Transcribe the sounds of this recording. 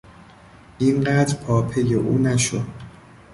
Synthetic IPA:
ʔinɢæːd̪ɾpʰɒːpʰe̞jeʔuːnæʃod̪

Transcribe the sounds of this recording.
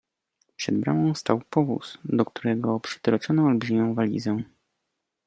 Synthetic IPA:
pʂɛd̪̚bɾa̰wɔ̃w̃st̪awpɔvṵsd̪ɔk̚t̪uɾɛɡɔpʂɘ̥t̪ɾɔt͡ʂɔnɔalbʐimʲjɔ̃w̃valʲḭzɛ̃

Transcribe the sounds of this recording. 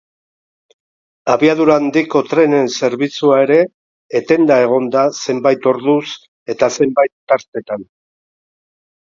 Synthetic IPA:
aβiaðuɾaːnd̪iko̞t̪ɾe̞ne̞nse̞ɾβit͡suae̞ɾe̞ː | t̪e̞nd̪ae̞ɣ̞o̞nd̪ase̞mbajt̪o̞ɾðus | e̞t̪ase̞mbajt̪ːaɾt̪e̞t̪an

